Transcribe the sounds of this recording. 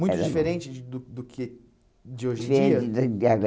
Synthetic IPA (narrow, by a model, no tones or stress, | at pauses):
mũjɛʊd͡ʒifeɾẽt͡ʃɪd̪ʊd̪ʊkʰɪ | d͡ʒɪoʒẽveiaɡɔ